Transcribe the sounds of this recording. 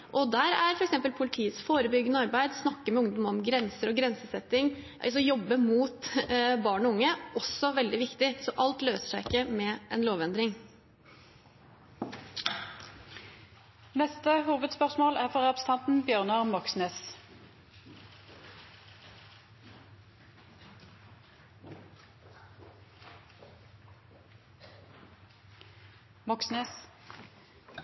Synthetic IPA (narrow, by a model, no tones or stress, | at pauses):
ʔɔd̪æɾæɾfɔɾɛksɛmpəlpʰʊlɪt̪ʰiːət̪sfoːɾəbʏɡːənəɑɾbæɪd̪snɑkːəmɛʊŋd̪ɔmɔmɡɾɛnsəɾɔɡɾɛnsəsɛt̪ːɪŋ | sɔjɔbːəmuːt̪bɑːɳɔʊŋːəɔsːɔʋɛld̪ɪʋɪkt̪ɪsɔʔɑlt̪løːsə̥ʂæɪɪkːəmɛʔɛnloːʋɛnd̪ɾɪŋ | nɛst̪əhuːʋəd̪spœʁsmoːlæːfɔʁɑbst̪ʰɑnt̪n̩bjøːʁnɑʁmɔksneːs | mɔksneːs